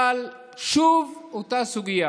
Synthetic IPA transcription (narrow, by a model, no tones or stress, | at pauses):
al | ʃuvut̪asuɡia